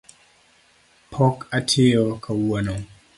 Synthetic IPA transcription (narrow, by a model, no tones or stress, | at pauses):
pʰɔkatʰɪɔkʰawono